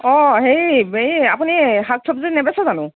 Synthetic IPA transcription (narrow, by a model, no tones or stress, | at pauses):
ɔɦejibeapuniɦak̚sʰɔpzinɛbɛsɔzanʊ̃